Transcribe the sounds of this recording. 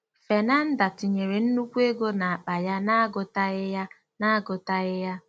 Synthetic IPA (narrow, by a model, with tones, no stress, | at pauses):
fe˨na˦n̩˦da˨tɪ˨ɲe˨ɾe˨n̩˦nu˦kʷe˦ɡo˦na˨a˨k͡pa˨ja˦na˦ɡʊ˨ta˦ɣɪ˦ja˦ | na˦a˦ɡʊ˨ta˦ɣɪ˦ja˦